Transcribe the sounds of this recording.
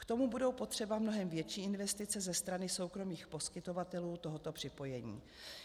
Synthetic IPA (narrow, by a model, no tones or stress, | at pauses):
kt̪o̞mubudo̞wpo̞t̪r̝̥ɛbamno̞ɦɛmvjɛt͡ʃiːɪnvɛst̪ɪt͡sɛzɛst̪ɾanɪso̞wkɾo̞miːxpo̞skɪt̪o̞vat̪ɛluːt̪o̞ɦot̪o̞pr̥ɪpo̞jɛɲḭː